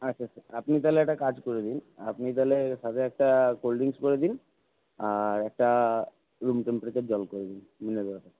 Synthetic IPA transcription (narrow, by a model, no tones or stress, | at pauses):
ətːɕʰasʰaɾapnit̪aleɛk̚ʈakad͡ʑkoɾed̪ina̰pnit̪̬aleʃat̪ʰeɛk̚ʈakolɖiŋskoɾed̪in | aɾɛk̚ʈa | ɾumʈempɾet͡ɕaɾd͡ʑɔlkoɾed̪in | mined̪ɛat̪a